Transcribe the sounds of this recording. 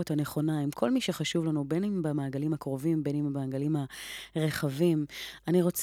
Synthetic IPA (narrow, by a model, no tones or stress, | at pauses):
uthane̞χo̞naimkʰo̞lmiʃeχaʃuvlanubenimbamaːɡalimakʁo̞vimbenimmaːɡalimhaʁe̞χavimaniʁo̞t͡s